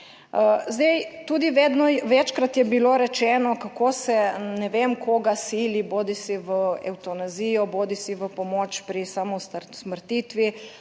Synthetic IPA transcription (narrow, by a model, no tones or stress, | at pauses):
əzd̪ejt̪uːd̪iʋeːd̪nɔʋɛt͡ʃkɾat̪jɛbiloɾɛt͡ʃɛːnɔkakoːsɛnɛʋemkʰoɡasiːliboːd̪isiʋəɛ̰wt̪ɔnazijɔboːd̪isiʋəpɔmoːt͡ʃpɾisamɔst̪aɾsməɾt̪iːt̪ʋi